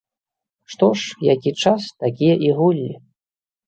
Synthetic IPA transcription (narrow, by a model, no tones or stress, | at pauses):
ʂt̪ɔʂjakʲit͡ʂast̪akʲijɐʔiɣulʲːi